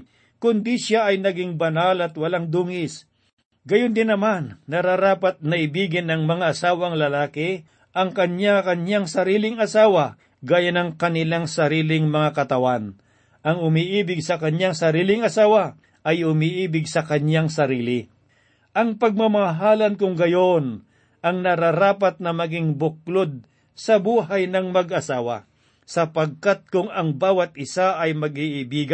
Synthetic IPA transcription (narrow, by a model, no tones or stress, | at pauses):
kʊnd̪iʃaʔɐjnɐɡɪŋbɐnalɐt̪̚wɐlaŋd̪uːŋɪs | ɡɐjʊnd̪ɪnːɐmanːɐɾaɾaːpɐt̪̚nɐʔɪbiːɡɪnɐŋmɐŋaːsaːwɐŋlɐlaːkɪ | ʔɐŋkɐɲakɐnaŋsɐɾiːlɪŋɐsaːwɐ | ɡaːjɐnɐŋkɐnɪlaŋsɐɾiːlɪŋmɐŋakɐt̪ɐwan | ʔɐŋʊmiʔiːbɪɡsɐkɐɲjaŋsɐɾiːlɪŋɐsaːwɐ | ʔɐjhʊmiʔiːbɪɡ̚sɐkɐɲjaŋsɐɾiːlɪ | ʔɐŋpɐɡ̚mɐmɐɦaːlɐnkʊŋɡɐjo̞n | ʔɐŋnɐɾaɾaːpɐt̪̚nɐmɐɡɪŋbʊk̚lod̪̚ | sɐbuːɦɐjnɐŋmɐɡʔɐsaːwɐ̰ | sɐpɐɡ̚kat̪̚kʊŋɐŋbaːwɐt̪̚ʔɪsaʔɐjmɐɡiʔɪbiːɡa